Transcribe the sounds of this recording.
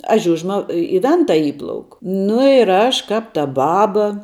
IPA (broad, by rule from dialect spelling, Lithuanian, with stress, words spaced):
ɐ ˈʒʲʊʒmɐ ɪ ɪ ˈʋʲɛntɐ ˈiːplˠɐʊk nʊ ɪr ˈɐʃ ˈkɐp tɐ ˈbɑːbɐ